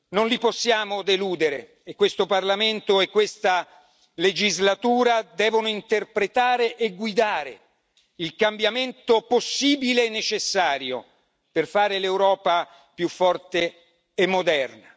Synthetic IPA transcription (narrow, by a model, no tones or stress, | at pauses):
nonliposːjaːmod̪eluːd̪eɾḛ | ekːwest̪oparlament̪oekːwest̪a | led͡ʒizlat̪uːɾad̪ɛːvonoint̪erpɾet̪aːɾeʔeɡːwid̪aːɾḛ | ilkambjament̪oposːiːbilenːet͡ʃesːaːɾjo̰ | perfaːɾelewɾɔːpa | pjufːɔrt̪eː | mːod̪ɛrna